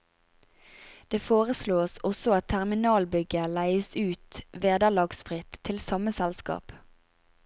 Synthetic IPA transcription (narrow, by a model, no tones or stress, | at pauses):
d̪̥eːfoːʁəsloːsɔsɔɑt̪̚t̪ʰæʁmɪnɑːlbʏɡəlæɪəsʉːt̪ʋeːd̪əlɑːɡsfʁɪt̪ʰːɪlsɑməsɛlskɑ̰ːp